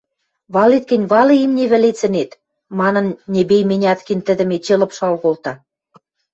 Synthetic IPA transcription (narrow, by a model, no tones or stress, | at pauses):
βɑlet̪̚kɘ̆nʲβɑlɤ̆imnʲeβɘ̆let͡sɘ̆net̪ | mɑnɤ̆nnʲebejmĕnʲɑt̪kint̪ə̆d̪ə̆met͡ɕelɤ̆pʃɑlɣolt̪ɑ